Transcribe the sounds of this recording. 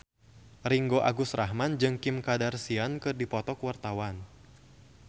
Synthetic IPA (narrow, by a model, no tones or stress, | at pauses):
riŋɡoʔaɡʊsraɦmand͡ʒɨŋkɪmkadarsiankɨrdipɔt̪ɔkwart̪awan